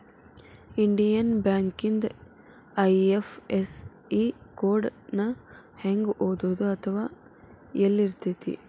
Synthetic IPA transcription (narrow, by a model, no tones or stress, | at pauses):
iɳɖijɐnbaːŋkind̪ɐ | ɐjefes | ikoːɾɖnɐ | heŋɡoːd̪oːd̪uɐt̪ʰɐʋaː | elːiɾt̪it̪ḭ